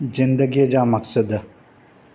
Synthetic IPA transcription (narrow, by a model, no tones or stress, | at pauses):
zɪnd̪əɡijɐd͡ʒaːmɐksəd̪